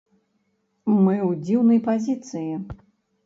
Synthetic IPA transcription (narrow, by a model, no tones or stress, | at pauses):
mɨwd͡zʲiwnɐjpazʲit̪sɨji